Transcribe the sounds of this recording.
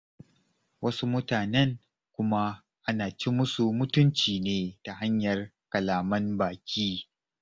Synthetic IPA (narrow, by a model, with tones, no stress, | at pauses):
wɐ˦su˦mʊ˦taː˨nɛ˦ŋ | kʷʊ˦ma˦ | ʔa˦naː˨t͡ʃi˦mʊ˦su˨mʊ˦tʊ˦nt͡ʃiː˨neː˦ta˨ha˦ɲjɐ˨r | kɐ˨laː˨mɐ˦mbaː˨kʲʰiː˦